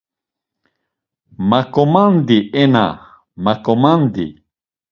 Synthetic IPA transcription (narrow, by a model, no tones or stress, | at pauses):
makomand̪iʔena̰ | makomand̪ḭ